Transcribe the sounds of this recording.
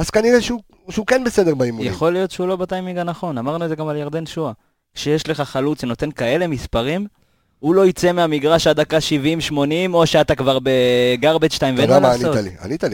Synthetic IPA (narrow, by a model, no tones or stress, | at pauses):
az̥kaniʁeʃeu | ʃeukenbesed̪eʁbaimujaχo̞lijo̞t̪ʃeulo̞batajmiɡanaχo̞namaʁnuezeɡamaljaʁd̪e̞nʃua | kʃejeʃle̞χaχalut͡seno̞t̪e̞nkae̞le̞mispaʁim | ulo̞it͡se̞meamiɡʁaʃad̪akaʃivimʃmo̞nimo̞ʃeat̪akvaʁbeɡaʁbetʃtajmveelamaniot̪alḭa̰nit̪ali